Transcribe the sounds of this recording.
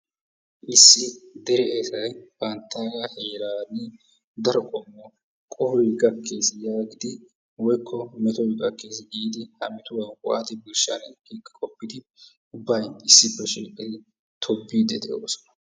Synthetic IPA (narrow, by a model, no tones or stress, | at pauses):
ʔɪsːɪd̪ɛɾɛʔesɐjbɐnt̪ʰːaːɡaheːlaːnːɪ | d̪ɐɾɔkʼɔmːɔ | kʼɔhɔjɡɐkʰːe̞ːsɪjaːɡɪd̪ɪ | wɔjkʰːɔmɛt̪ɔjɡʼɐkːe̞ːs̬ɪɡiːd̪ɪhɐmɪt̪ʊwɐnkʊʔa̰t̪ɪbɪlʃa̰nkiːkʼːɐ̥kʼɔpːɪd̪ɪ | ʊbːɐjɪsːɪbːɛʃiːkʼːɪt̪ɪ | t̪ʰɔbːiːd̪ɛd̪ɛ̰ʔjo̰ːsɔ̥nɐ̥